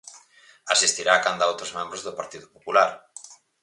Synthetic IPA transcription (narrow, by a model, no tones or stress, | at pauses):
asist̪iɾaːkand̪aowt̪ɾozmɛ̃mbɾʊzðʊpaɾt̪iðʊpopulaɾ